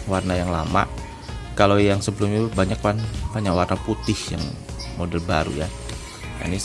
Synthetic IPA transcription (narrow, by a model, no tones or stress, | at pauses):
warnajaŋlama̰ʔ | kalojaŋsəbəlʊmɲabaɲak̚panpaɲawarnaput̪ɪhja̰ŋmodɛlba̰ɾṵja | ja̰ni